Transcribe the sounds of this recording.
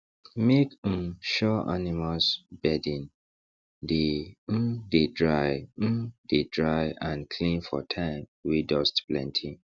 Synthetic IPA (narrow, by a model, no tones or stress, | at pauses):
mek̩ʃɔʔanimalsbɛdĩn | de | dedɹaj̩ | dedɹajãnkʰlĩnfɔ̰tʰãɪ̃mwidɔstplɛ̰̃ntʰĩ